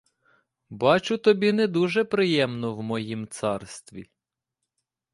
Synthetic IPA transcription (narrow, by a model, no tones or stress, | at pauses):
bɑt͡ʃʊt̪ɔbʲinɛd̪uʒɛpɾɪjɛmnɔwmɔjimt̪sɑrst̪ʋʲḭ